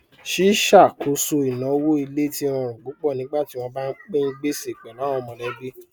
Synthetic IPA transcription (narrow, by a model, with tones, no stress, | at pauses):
ʃi˦ʃa˦˨ko˧so˧i˨nã˨˦wo˦i˧le˦tĩ˦ɔ̃˧ɾũ˨ɡ͡bo˨˦k͡pɔ˦˨nĩ˨˦ɡ͡ba˦ti˦w̃ɔ̃˧ba˦n̩˦k͡pe˦ɡ͡be˦se˨k͡pɛ˨lã˨˦ɔ̃˧mɔ̃˨lɛ˨˧˦ɡi˦